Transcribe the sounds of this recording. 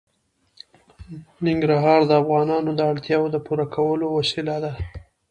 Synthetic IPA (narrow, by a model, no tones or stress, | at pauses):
nɪŋɡɾaɦɑɾd̪əafɣɑnɑnod̪əaɽt̪jɑwod̪əpuɾakʰawəlowasilad̪a